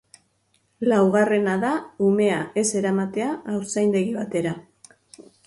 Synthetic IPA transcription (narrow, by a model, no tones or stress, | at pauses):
lawɣ̞are̞naðaume̞aʔe̞se̞ɾamat̪e̞aːwsajnd̪e̞ɣiβat̪e̞ɾa